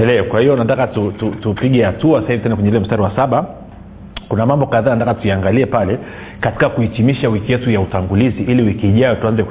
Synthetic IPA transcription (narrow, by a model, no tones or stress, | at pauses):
ɛlɛɔkwahijɔnatakatututupiɠɛhatuasahivituɛndɛkwɛɲɛilɛm̩staɾiwasaɓa | kunamambɔkaðaːnatakatujaaŋɡaliɛpalɛ | kati̥kakuitimiʃawikijɛtujautaŋɡuliziʔiliwikiːʄajɔtuanzɛ